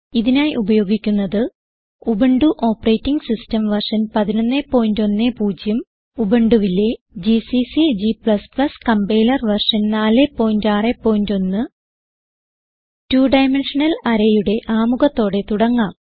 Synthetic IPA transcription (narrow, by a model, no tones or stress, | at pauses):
iðinaːjʔubɐjo̞ːɡikʲːunːɐðɨ | ubeɳɖuʔo̞ːpːɐrejtːiŋɡsistɐmʋɐrʂɐnpɐðinonːe̞ːpːo̞ːjndo̞nːepuːd͡ʑjɐm | ubeɳɖuʋilːe̞ | d͡ʑisisid͡ʑipɭɐsplɐskɐmbe̞ːlɐrʋɐrʂɐnnaːle̞pːo̞ːjndaːrepːo̞ːjindo̞nːɨ | tuːɖɐjmeɳʂɐnɐlɐɾɐjuɽe̞ʔaːmuɣɐt̪ːo̞ːɽe̞t̪uɽɐŋːaːm